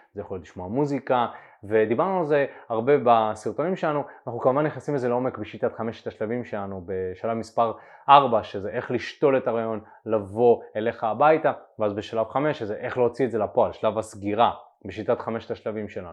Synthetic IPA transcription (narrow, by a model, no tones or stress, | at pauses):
zejaχoljot̪liʃmoamuzikave̞d̪ibaʁnualze̞aʁbe̞basiʁt̪o̞nimʃelanuanaχnukamuvanːiχnasimezeleo̞mekbeʃit̪at̪χameʃetaʃlavimʃelanube̞ʃalavmispaʁ | ʔaʁbaʃezeʔe̞χliʃto̞le̞taʁajo̞n | lavo̞e̞le̞χaːbajtaveazbeʃalavχame̞ʃezeʔe̞χleot͡sietze̞lapo̞alʃalavasɡiʁa | beʃit̪at̪χame̞ʃetaʃlavimʃe̞lanu